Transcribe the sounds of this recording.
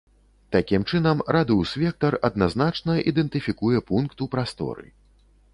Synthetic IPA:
t̪akʲimt͡ʂɨnɐmɾʔad̪ɨwsvʲɛk̚t̪ɐrɐd̪̚naznat͡ʂnɐʔid̪ɛnt̪ɨfʲikujɛpunkt̪upɾast̪ɔ̰ɾɨ̰

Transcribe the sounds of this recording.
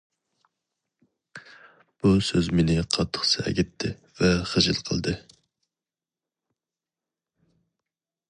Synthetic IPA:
b̥usøzmenɪqʰɑt̪ʰːə̥χsɨɛ̰ɡʲɛt̪ʰːɪ | vɛχəʒɨlˠqʰəlˠd̪ɨ

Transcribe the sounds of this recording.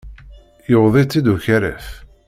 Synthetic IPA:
jəwðˤit͡sːid̪uçæɾæ̰f

